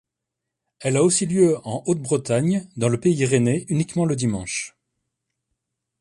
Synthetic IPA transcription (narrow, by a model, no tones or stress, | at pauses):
ɛlaosiljøɑ̃ʔot̪̚bʁət̪aɲd̪ɑ̃ləpeiʁeneynikmɑ̃ləd̪imɑ̃ʃ